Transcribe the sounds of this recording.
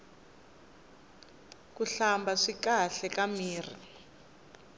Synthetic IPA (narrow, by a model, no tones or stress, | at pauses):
kuɬambaʂikaɬɛkamiːrḭ